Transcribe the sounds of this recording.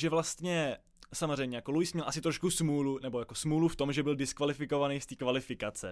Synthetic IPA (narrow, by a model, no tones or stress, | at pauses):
ʒɛvlast̪ɲɛ | samor̝ɛjmɲɛjakolujsmɲɛlʔasɪt̪ɾoʃkusmuːlunɛbo̞jako̞smuːluft̪o̞mʒɛbɪldɪskvalɪfɪko̞vanejst̪iːkvalɪfɪkat͡sɛ